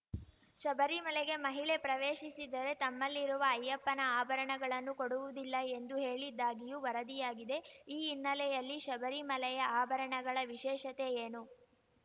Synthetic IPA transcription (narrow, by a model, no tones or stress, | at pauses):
ʃɐbɐɾimɐlɛɡe̞mɐɦiɭepɾɐʋeːʃisid̪ɐɾe̞t̪ɐmːɐlːiɾuʋɐːjːɐpːɐnɐaːbʱɐɾɐɳɐɡɐɭɐnːukoɽuʋud̪ilːɐe̞nd̪uɦe̞ːɭid̪ːaːɡijuʋɐɾɐd̪ijaːɡid̪e̞iːnːɐlɛjɐlːiʃɐbɐɾimɐlɛjɐaːbʱɐɾɐɳɐɡɐɭɐʋiʃɛːʃɐt̪e̞eːnu